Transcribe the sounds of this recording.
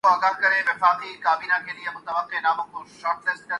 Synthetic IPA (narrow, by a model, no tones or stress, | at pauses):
oaːɡalkɐɾeʋɪfaːqikaːbiːnakeliemʊt̪əʋəqːenaːmõkoʃaːɾʈ̪lest̪̚kɐ